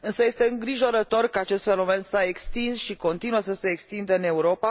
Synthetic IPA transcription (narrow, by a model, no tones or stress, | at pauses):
ɨnsəje̞st̪e̞ɨŋɡɾiʒo̞ɾət̪o̞rkəat͡ʃe̞st̪fe̞no̞me̞nsaekst̪insʃiko̞nt̪inuəsəse̞ːkst̪ind̪əɨne̞uɾo̞pa